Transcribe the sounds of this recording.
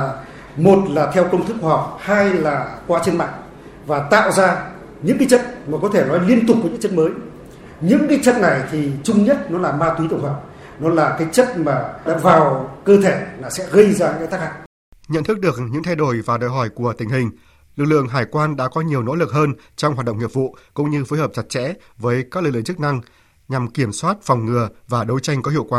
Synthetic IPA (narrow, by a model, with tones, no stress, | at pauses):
mo˨˩t̚laː˨˩t̪ʰɛ˧wkə˧wŋ͡mt̪ʰɨ˦˥k̚ːwa˧˨ɦa˨˩wk͡p̚haː˧jlaː˨˩kwaː˧t͡ɕe˧nma̰˧˨ŋ | vaː˨˩t̪a̰ː˧˨wzaː˧ | ɲɨ̰˧˥ŋk̬aː˨˦jt͡ɕə̰˧˨t̚maː˨˩kɔ˨˦t̪ʰe˧˩nɔ˨˦jli˧ənt̪ʊ˨˩k͡p̚ːɲɨ̰˧˥t͡ɕə˦˥t̚məː˨˦j | ɲɨ̰˧˥ŋkaː˨˦jt͡ɕə̰˧˨tna˨˩jt̪ʰi˨˩t͡ɕʊ˧ŋ͡mɲə˦˥t̚nɔ˨˦laː˨˩maː˧t̪wi˨˦t̪u˧˩hɔ˨˩wk͡p̚ | nɔ˨˦laː˨˩kaː˨˦jt͡ɕə˦˥t̚maː˨˩ɗa̰ː˧˥vaː˨˩wkəː˧t̪ʰe˧˩laː˨˩sɛ̰˧˥ɣə˧jzaː˧˩ɲɨ̰˧˥t̪a˦˥k̚ha˧˨ŋ | ɲə̰˧˨nt̪ʰɨ˦˥k̚ɗɨ˨˩ək̚ɲɨ̰˧˥ŋt̪ʰa˧jɗo˧˩jvaː˨˩ɗo̰ː˧˨jɦɔ˧˩jku˧˩ət̪ï˨˩ŋ̟ɦï˨˩ŋ̟ | lɨ˨˩k̚lɨ̰˧˨əŋɦaː˨˧˩jkwaː˧nɗa̰ː˧˥kɔ˨˦ɲi˨˩əwno̰˧˥lɨ˨˩k̚həː˧nt͡ɕɔ˧wŋ͡mhwaː˨˩ɗə̰˧˨ŋ͡mŋi˨˩əvṵ˧˨kʊ̰˧˥ŋ͡mɲɨ˧foː˨˦jhəː˨˩p̚t͡ɕa˨˧˩t̚t͡ɕɛ̰˧˥vəː˨˦jkaː˦˥k̚lɨ˨˩klɨ˧˨ŋt͡ɕɨ˦˥k̚na˧ŋ | ɲa˨˩mki˧˩əmswaː˦˥t̚fɔ˨˩wŋ͡mŋɨ˨˩əvaː˨˩ɗə˨˦wjt͡ɕa˧jŋ̟kɔ˨˦i˧˨wkwaː˨˩